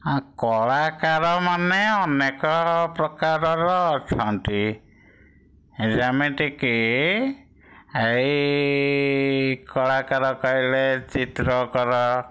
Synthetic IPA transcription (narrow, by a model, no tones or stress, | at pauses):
kɔɭakaɾɔmaneɔnekɔpɾɔkaɾɔɾɔːt͡ʃʰɔwnʈ̪i | d͡ʒameʈiki | ej | kɔɭakaɾɔkajlet͡ʃit̪ɾɔkɔɾɔ